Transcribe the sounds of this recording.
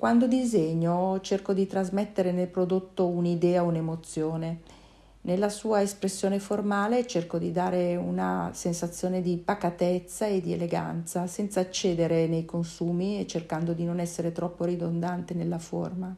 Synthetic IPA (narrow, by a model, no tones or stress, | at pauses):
kwand̪od̪izeɲːot͡ʃerkod̪it̪ɾazmet̪ːeɾenelpɾod̪ot̪ːounid̪ɛːaunemot̪sːjoːne | nelːasuːaespɾesːjoːneformaːlet͡ʃerkod̪id̪aːɾeuna̰sensat̪sːjoːned̪ipakat̪et̪sːaed̪iḛleɡa̰nt̪sasɛnt̪saːt͡ʃːeːd̪eɾenejkonsuːmiet͡ʃːerkand̪od̪inonɛsːeɾet̪ɾɔpːoɾid̪ond̪ant̪enelːafo̰rma